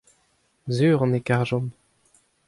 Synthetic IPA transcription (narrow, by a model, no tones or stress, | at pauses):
zyːʁɑ̃nekaʁʒɔm